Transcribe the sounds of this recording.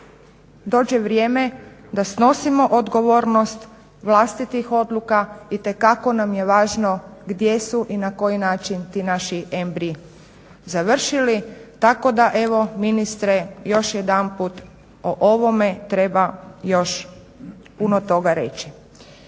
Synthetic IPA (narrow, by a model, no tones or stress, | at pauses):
d̪o̞ːd͡ʑeʋɾjeːme̞d̪asno̞simo̞ʔod̪ɡo̞ʋo̞ːɾnost̪ | ʋlˠast̪it̪ixo̞d̪lˠukait̪e̞kako̞namjeʋaːʒno̞ɡd̪je̞suʔinako̞jinaːt͡ʃint̪iːnaʃiʔembɾi | zaʋr̩ʃilit̪ako̞d̪aʔe̞ʋo̞minist̪ɾejo̞ʃjed̪anput̪ | oʔoʋo̞me̞t̪ɾe̞bajo̞ʃ | punot̪o̞ɡaɾe̞̰t͡ʃi